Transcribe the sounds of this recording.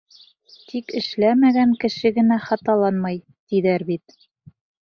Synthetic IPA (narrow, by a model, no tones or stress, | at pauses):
t̪ikɘ̆ʃlæmæɡæŋkɘ̆ʃɘɡɘ̆næχɑt̪ɑlˠɑnmɑj | t̪iðæɾbit̪